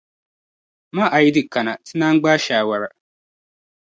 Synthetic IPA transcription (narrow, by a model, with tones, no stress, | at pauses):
mã˦ʔa˨ji˦di˦˨ka˨nã˨tʰi˦nã˦ŋ˦ɡ͡ba˦ʃaː˨wa˨ɾa˨